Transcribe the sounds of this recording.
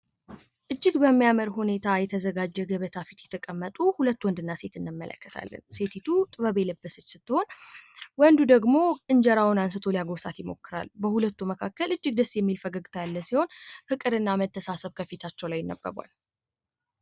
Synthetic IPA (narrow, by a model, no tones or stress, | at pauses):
ʔɨd͡ʒːɨɡbəmːijaməɾhune̞t̪ʰajɛt̪ʰəzəɡad͡ʒːɛɡəβət̪ʰafit̪jɛt̪ʰəkʼəmːət̪ʼuhulət̪ːuwɔnd̪ɨnːase̞t̪ʰɨnːɨmːə̰lə̰kːət̪ʰa̰lːə̰nse̞t̪ʰit̪ʰut̪ʼɨβəβeləbːəsɨt͡ʃːsɨt̪ːɨho̞nwənd̪ud̪əɡmo̞kʼɨnd͡ʒəɾawnansɨt̪ʰo̞lijaɡoβsat̪jɪmo̞̰kːɨɾa̰lbəhulət̪ːuməkʰakːəlɨd͡ʒːɪɡd̪əsːjɛmːilfəɡaɡɨt̪ʰalːəsiho̞nhɨkʼɨɾɨnːamət̪ʰːəsasəβkʰəfit̪ʰat͡ʃːɛwlajɪnːə̰bə̰bʷa̰l